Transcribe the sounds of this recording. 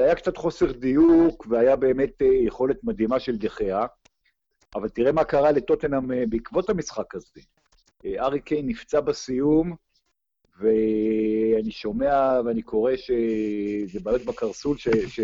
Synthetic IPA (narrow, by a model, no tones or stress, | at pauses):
ajakt͡sat̪χo̞se̞ʁd̪ijukveajabe̞ːme̞t̪jeχo̞le̞t̪mad̪ɦimaʃeld̪eχea | ʔavalt̪iʁe̞makaʁale̞t̪o̞t̪enambeikvo̞t̪hamisχakaze | aʁikejnift͡sabasijum | ve | aniʃo̞me̞aveanikʰo̞ʁe̞ʃezebaːjot̪̚bakaʁsulʃeʃe